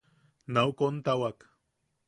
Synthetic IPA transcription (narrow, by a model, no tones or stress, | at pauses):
nawkont̪awak